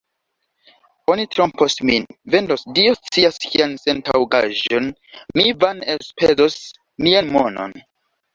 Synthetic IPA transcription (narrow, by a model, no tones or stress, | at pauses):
o̞nitɾomposminve̞ndosdiost͡siaskiansentawɡa̰ʒo̞n | mivanelspʰezos | mianmo̞no̞̰n